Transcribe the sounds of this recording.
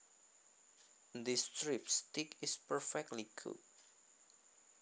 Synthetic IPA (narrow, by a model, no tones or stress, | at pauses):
d̪istɹipst̪ikɪspəɹfɛk̚tlikʰṵt̚